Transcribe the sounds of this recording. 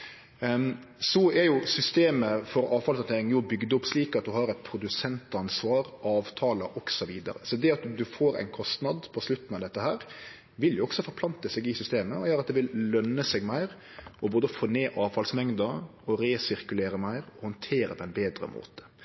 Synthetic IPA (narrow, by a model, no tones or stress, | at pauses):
sɔɛɾjʊsʏst̪eːməfɔɾɑːʋfɑlsɑnt̪eːɾɪŋjʊbʏɡd̪əʊpːsliːkɑt̪̚d̪ʉɦɑɾɛt̪̚pʰɾʊd̪ʉsɛnt̪ɑnsʋɑːɾʔɑːʋt̪ʰɑːləʔɔksɔʋiːd̪ɑ̰ɾə̰sɔd̪ɛɑt̪d̪ʉfoːɾæ̰ɪnkʰɔst̪nɑd̪pʰɔslʉt̪ːn̩ɑʋd̪ɛt̪ːəɦæːɾ | ʋɪljʊɔɡ̥sɔfɔɾpʰlɑnt̪əsɛɡɪsʏst̪eːməɔjøːɾɑt̪̚d̪ɛʋɪllœnːəsɛɡmæɪɾ | ɔboːd̪əfoːneːʔɑːʋfɑlsmɛŋd̪əɔɾeːsɪɾkʉleːɾəmæɪɾɔhɔnt̪ʰeːɾə̰pʰɔɛɪnbeːd̪ɾə̰mʔo̰ːt̪ə̥